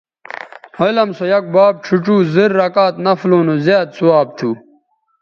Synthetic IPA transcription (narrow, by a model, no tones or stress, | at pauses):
ɐlɐmsojɐk̚baːb̚ʈ͡ʂʰuʈ͡ʂuːziɾːɐkaːt̪nɐfloːnozjaːd̪̚suwaːb̚t̪ʰuː